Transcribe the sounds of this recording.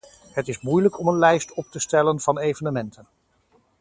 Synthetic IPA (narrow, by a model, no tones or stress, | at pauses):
ɦətɪzmujləkɔmənlɛjstɔp̚təstɛlənv̥ɑnejvənəmɛntʰən